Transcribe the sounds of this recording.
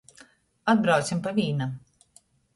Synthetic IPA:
ad̪̚bɾawt̪simpavʲiːnam

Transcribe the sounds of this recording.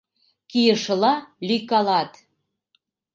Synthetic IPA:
kijə̆ʃɤ̆lɑlʲykɑlɑt̪

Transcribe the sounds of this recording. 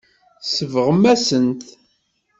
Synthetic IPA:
səvəʁəmːæsənt̪

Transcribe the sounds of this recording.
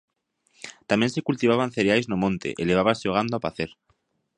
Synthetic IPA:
t̪amjensekult̪iβaβanθeɾeajznomõnt̪ḛʔeleβ̞aβaseoɣ̞and̪oapaθeɾ

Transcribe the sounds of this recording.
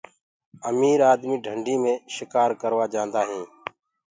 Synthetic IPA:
əmiːɾaːd̪miːɖʱəɳɖʱĩːmẽːʃɪkaːɾkəɾʋaːd͡ʒãːnd̪aːɦẽː

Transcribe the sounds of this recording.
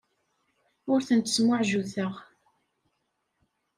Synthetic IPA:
ʊɾθənt̪ə̥smʊʕʒuθəʁ

